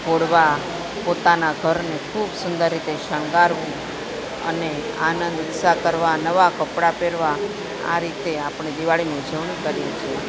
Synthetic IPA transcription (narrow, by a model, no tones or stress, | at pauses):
koɽʋa | pot̪anaɡʱəɾnekʰubsʊnd̪əɾːit̪eʃəŋɡaɾʋũ | ə̰ne | a̰nənd̪uk̪sakəɾʋanəʋakəpɽapeɾʋa | a̰ɾit̪eapɳ̃ed̪iʋaɭined͡ʒʱəʋɳĩkəɾjet͡ʃʰie